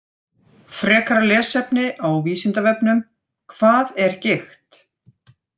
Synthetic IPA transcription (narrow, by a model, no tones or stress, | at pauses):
fɾɛːkaɾalɛːsɛpnɪʔawviːsɪnt̪avɛpn̪ʏm | kʰv̥aːðɛɾ̥cɪxt̪